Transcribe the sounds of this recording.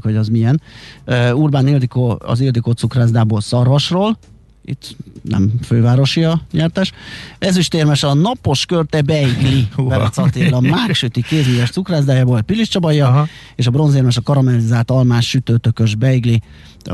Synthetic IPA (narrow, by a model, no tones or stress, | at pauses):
kʋɒɟɒzmiɛnøurbaːnild̪ikoːɒ̰zild̪ikoːt̪sukraːzd̪aːboːlsɒrvɒʃroːl | ḭt̪ːnɛ̰mføːvaːɾo̞ʃiɒɲɛrt̪ɛʃɛzyʃt̪eːrmɛʃɒnɒpo̞ʃkørt̪ɛbɛiɡlibɛɔ̰t̪sɒt̪elɒmaːkʃøt̪ikeːzmijɛʃt̪sukraːzd̪aːjaːboːlɛpiliʃt͡ʃɒbɒjːɒ | eːʃɒbro̞nzeːrmɛʃɒkɒɾɒmɛlizaːlt̪ɒlmaːʃːyt̪øːt̪økøʒbɛiɡli